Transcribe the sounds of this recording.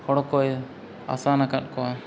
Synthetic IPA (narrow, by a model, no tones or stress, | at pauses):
hɔɽɔkɔj | a̰sanakat̪̚kɔwa